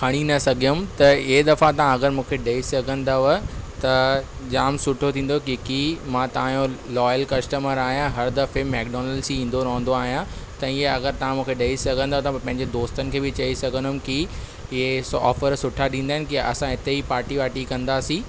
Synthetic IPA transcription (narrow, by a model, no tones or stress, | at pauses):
kʰɐɽ̃inɐsɐɡʱijʊmt̪ɐɪɦed̪ɐfãt̪ɐʋãɐɡəɾmũːkʰeɗeisɐɡʱə̃nd̪aʋɐt̪ɐd͡ʑaːmsʊʈʰot̪ʰĩːn̆d̪okikiːmãːt̪ɐãjõlɔːjəlkɐsʈəməɾaːɦijãɦɐɾd̪ɐfemɛːkɖɔːnəlsiĩːn̆d̪oɾɐɦə̃n̆d̪oaːɦijãt̪ɐɪɦeɐɡəɾt̪ɐʋ̤ãmũːkʰeɗɐisɐɡʱə̃nd̪aːt̪ɐpɐ̃ɦɪ̃ɲd͡ʑed̪oːst̪ənɪ̆kʰeːbɪt͡ɕɐisɐɡʱənʊmki | ɪɦesɔ̰ːfəɾsʊʈʰaɗĩːnd̪aːɦɪnɪ̆kiɐ̰sãɪt̪eɦipaːɾʈiʋaːʈikɐ̃nd̪aːsĩː